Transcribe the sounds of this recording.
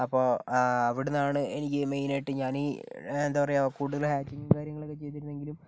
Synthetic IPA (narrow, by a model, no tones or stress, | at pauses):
ɐpːoːɐʋiɽenːaːɳɨenikʲːɨmejnajʈːɨɲaːniend̪aːʋɐrejkuːɽuðɐlhaːt͡ɕːiŋɡɐmkaːɾjɐŋːɐɭokːet͡ɕe̞jt̪̬iɾunːe̞ŋɡilum